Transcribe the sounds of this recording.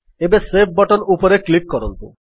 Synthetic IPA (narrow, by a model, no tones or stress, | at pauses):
ebesep̚bɔʈonupoɾeklik̚kɔɾont̪ṵ